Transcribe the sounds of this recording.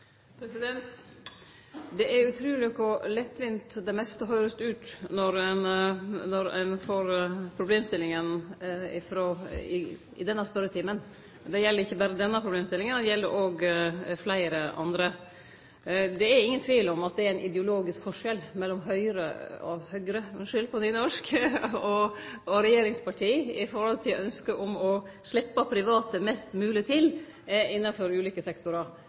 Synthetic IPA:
pʰɾɛsɪd̪ɛnt̪ | d̪ɛʔæɾʉt̪ʰɾʉːlɪkɔlɛt̪ːʋɪnt̪d̪ɛmɛst̪əɦœʏɾəst̪əʉːt̪nɔɾɛnnɔɾæ̰nfoːɾpʰɾʊbleːmst̪ɪlːɪŋənɪfɾoːɪ̰ | ɪ̰d̪ɛnːəspœɾət̪ʰɪmən | d̪ɛjɛlːəɾɪçːəbæːɾəd̪ɛnːəpʰɾʊbleːmst̪ɪlɪŋənɛjɛlːəɾʔoːɡflæɪɾəʔɑ̰nd̪ɾə | d̪ɛæɾɪŋːənt̪ʰʋiːlɔmɑt̪̚d̪ɛæɾæɪnʔɪd̪ɛʊloːɡɪskfɔʂɛlmɛlːɔmɦœʏɾə̰ɔ̰hœɡɾəmɛʂʏlpʰɔniːnɔʂkɔɔɾɛjeːɾɪŋspɑʈʰiːɪfɔɾhɔlt̪ʰɪlɔœnskəʔɔmɔ | ʂɭɪpːəpʰɾɪʋɑːt̪əmɛst̪mʉːlɪt̪ʰɪl | ɪnːɑfɔɾʉːliːkəsɛkt̪ʊɾɑɾ

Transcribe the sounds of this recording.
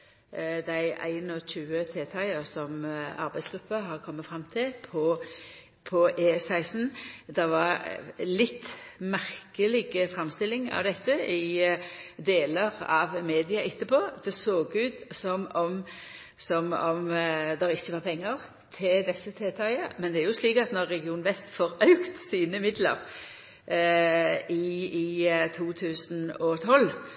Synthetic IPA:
d̪æɪæ̰ɪnɔçʉːət̪ʰeːt̪ʰɑɪəɾsɔmɑ̰ɾbæɪsɡ̥ɾʉpːəɦɑʁkʰɔmːəfɾɑmːt̪ʰɪlpʰɔ | pʰɔʔeːsæɪsn̩d̪ɛʋɑʁlɪt̪ːmæʁkəlɪɡəfɾɑmst̪ɪlːɪŋɑ̰ʋd̪ɛt̪ːəɪ | d̪eːləɾɑ̰ʋmeːd̪ɪɑʔɪt̪ːəpoːd̪̥ɛsoːɡʉːd̪sɔmɔm | sɔmɔmd̪ɛɾɪçːəʋɑːpʰɛŋːəʁ | t̪ʰɪld̪ɛsːət̪ʰeːt̪ʰɑɪəmɛnd̪ɛæɾjʊsliːkɑt̪nɔʁːɛɡɪuːnʋɛst̪fɔːɾœʉkt̪siːnəmɪd̪lə̰ʁ | ɪ | t̪ʰuːt̪ʰʉːsnɔt̪ʰɔlː

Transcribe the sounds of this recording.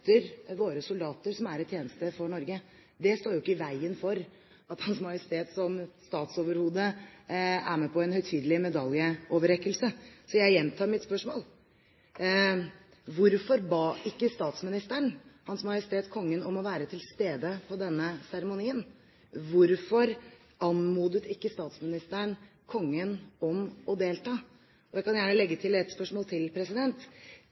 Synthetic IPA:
t̪əɾʋoːɾəsʊld̪ɑːt̪əɾsɔmæɾɛt̪ʰːjeːnəst̪əfɔɳɔɾɡə | d̪ɛst̪oːɾjʊɪkːəɪʋæɪənfɔɾ | ɑt̪hɑnsmɑjəst̪ʰeːt̪sɔmst̪ɑːt̪soːʋəɾhuːd̪ə | æɾmeːpʰɔɛnhœʏt̪ʰyːd̪əlɪmɛd̪ɑljəʔoːʋəɾɛkːəlsəsɔjæɪjɛnt̪ʰɑːɾmɪt̪spœʂmoːl | ʋʊɾfɔɾbɑːɪkːəst̪ɑːt̪smɪnɪst̪əɳhɑnsmɑjəst̪ʰeːt̪kʰɔŋːənɔmɔʋæːɾət̪ʰɪlst̪eːd̪əpʰɔd̪ɛnːəsæɾɛmʊniːən | ʋʊɾfɔɾ | ɑnmuːd̪ət̪ɪkːəst̪ɑːt̪smɪnɪst̪əɳ | kʰɔŋːənɔmɔd̪eːlt̪ʰɑː | ɔd̪ɛkɑnjæːɳəlɛɡːət̪ʰɪlɛt̪spœʂmoːlt̪ʰɪlpʰɾɛsɪd̪ɛnt̪

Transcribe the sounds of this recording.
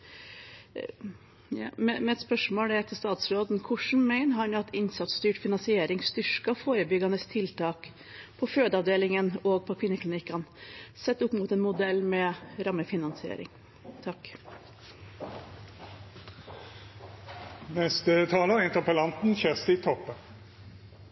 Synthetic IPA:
mɛmɛɛt̪spœʂmoːlɛɛt̪əst̪ɑːt̪sɾoːd̪n̩kʰʊʂɳ̩mæɪnəɦɑnɑt̪ɪnsɑt̪st̪yːʈfɪnɑnsɪeːɾɪŋst̪ʏʂkɑfoːɾəbʏɡɑnəst̪ʰɪlt̪ʰɑːk | pʰɔføːd̪əɑʋd̪eːlɪŋənoːɡ̚pʰɔkʰʋɪnːəklɪnɪkɑnsɛt̪ːʊpmuːt̪ɛːnmʊd̪ɛlːmɛɾɑmːəfɪnɑnsɪḛːɾɪ̰ŋ | t̪ʰɑk | nɛst̪ət̪ʰɑːləʁɪnt̪əʁpəlɑnt̪n̩çɛʁst̪ɪt̪ʰɔpːə

